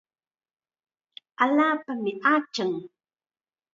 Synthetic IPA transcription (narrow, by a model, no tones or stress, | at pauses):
ʔalapamiʔat͡ʃəŋ